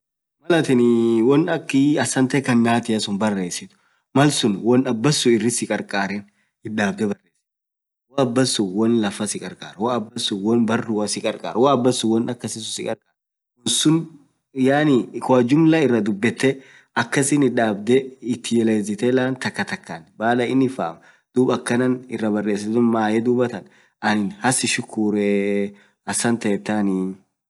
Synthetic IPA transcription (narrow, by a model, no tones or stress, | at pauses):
mɐlɐt̪ɪnwɔnɐkːɪɐsɐnt̪ɐkɐnːaːt̪ɪɐsʊnbɐrːe̞ːsɪt̪ʊ̥ | mɐlsʊnwɐnɐbːɐsʊɪrːɪsɪkʼɐɾkʼaːɾɛn | ɪᶑaːb̚d̪ɛbɐrːeːs | wɐɐbːɐsːʊwɐnlɐfɐsɪkʼɐɾkʼa̰ːɾwɐɐbːɐsʊwɐnbɐrːʊwɐsɪkʼɐɾkʼa̰ːɾwɐɐbːɐsːʊwɐnɐkːɐsɪsʊsɪkʼɐɾkʼaːɾ | wɔnsʊn | jaːnikʊɐd͡ʒʊmlɐɪrːɐd̪ʊbːɛt̪ːɛ | ɐkːɐsɪnɪᶑaːbd̪ɛɪt̪ːɪjɛleːz̬ɪt̪ɛlaːnt̪ɐkːɐt̪ɐkːanbaːlɐɪnːɪfa̰ːm | d̪̥uːbɐkːɐnɐnɪrːɐbɐrːe̞ːs̬ɪt̪ʊnmaːjɛd̪uːbɐt̪ɐn | ʔɐnɪnhɐsɪʃʊkʰːuːɾɛ | ɐsːɐnt̪ɐɛt̪ːaːni